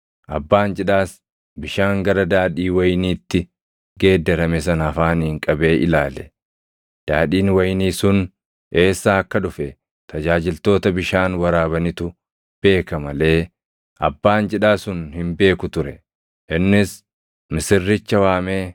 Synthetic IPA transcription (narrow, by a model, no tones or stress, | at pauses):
ʔɐbːaːnd͡ʒɪᶑaːs | bɪʃaːŋɡɐɾɐd̪aːᶑiːwɐjniːt̪ːɪ | ɡe̞ːd̪ːɛɾɐmɛs̬ɐnɐfaːnhɪŋkʼɐbe̞ːʔɪlaːlɛ | d̪̥aːᶑiːnwɐjniːsʊn | ʔe̞ːsːaːɐkːɐᶑʊfɛ | t̪ɐd͡ʒaːd͡ʒɪlt̪o̞ːt̪ɐbɪʃaːnwɐɾaːbɐnɪt̪ʊ | b̥e̞ːkɐmɐle̞ː | ʔɐ̰bːaːnd͡ʒɪᶑaːsʊnhɪmbe̞ːkʊt̪ʊɾɛ | ʔɪnːɪs | mɪsɪrːɪt͡ʃːɐwaːmeː